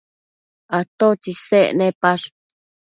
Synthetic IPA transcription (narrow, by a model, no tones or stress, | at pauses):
at̪ot͡ʃisḛnẽpaʂ